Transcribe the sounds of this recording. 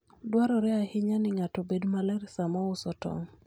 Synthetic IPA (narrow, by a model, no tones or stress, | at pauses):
dwaɾɔɾɛahɪɲanɪŋatɔbedmalɛɾisamɔʊsɔtɔ̰ŋ